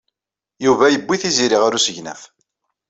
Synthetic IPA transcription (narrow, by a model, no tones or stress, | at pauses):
juvæjəbːiθiziɾiʁaɾusəʝnæ̰f